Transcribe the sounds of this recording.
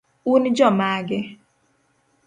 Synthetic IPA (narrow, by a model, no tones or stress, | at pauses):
und͡ʒɔmaɡɪ